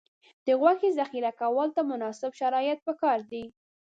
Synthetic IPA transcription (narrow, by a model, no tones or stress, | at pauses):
d̪̥əɣwaxezaxiɾakawəlt̪amʊnɑsɪbʃaɾɑjət̪̚pəkɑɾd̪i